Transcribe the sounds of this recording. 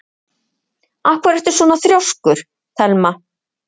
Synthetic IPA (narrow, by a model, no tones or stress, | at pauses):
ahkvaɾɛhft̪ʏɾ̥sɔːnaθɾjawskʏɾ̥ | θɛlma